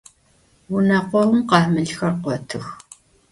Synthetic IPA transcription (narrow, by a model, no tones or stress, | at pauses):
wunɐqʷɔwʊmqɑːmɨɮxɐrqʷɔtʰɨx